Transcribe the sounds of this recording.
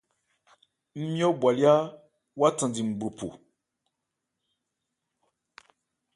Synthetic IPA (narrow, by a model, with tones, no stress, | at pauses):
m̩˦mĩ˦o˦bwa˨li˦a˦ | wa˦tã˨di˨m̩˨ɡ͡bɾu˨pṵ˨